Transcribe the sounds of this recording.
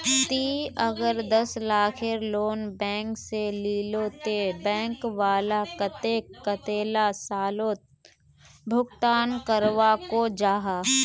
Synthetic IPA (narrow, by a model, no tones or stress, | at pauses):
t̪iːɐɡəɾd̪ɐslaːkʰeɾloːnbɛ̃ːŋkseliːloːt̪ebɛ̃ːŋkʋaːlakət̪ekət̪eːlasaːloːt̪̚ | bʱʊkt̪aːnkəɾʋakod͡ʒaːɦaː